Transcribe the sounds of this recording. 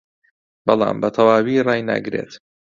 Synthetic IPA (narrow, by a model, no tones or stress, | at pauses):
bɑlˠɑ̰ːmbɐt̪ʰɐwaːwirɑːjna̰ɡɨɾeːt̪